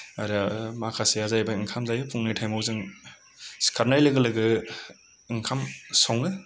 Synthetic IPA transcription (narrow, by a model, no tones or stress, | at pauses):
aɾɯmakʰasejazajbaiŋkʰamzajɯpʰuŋnɯtʰajmawzɯŋ | skʰaɾnajlɯɡɯlɯɡɯ | iŋkʰamsawŋɯ